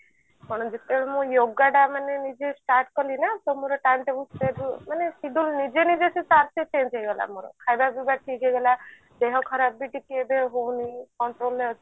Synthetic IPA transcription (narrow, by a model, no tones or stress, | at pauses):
pɔɳ̃d͡ʒet̪ɛbeɭemũjoɡaɖamanenid͡ʒesʈaɾʈkɔlinat̪ɔmoɾɔʈanʈebuseɾmanesid̪ulnid͡ʒenid͡ʒesit͡ʃaɾset͡ʃẽnd͡ʒeɡɔla̰moɾɔ̰kʰajbabibaʈʰiɡeɡɔla | d̪eɦɔkʰɔɾabːiʈikebeɦownikɔɳʈɾoleɔt͡ʃ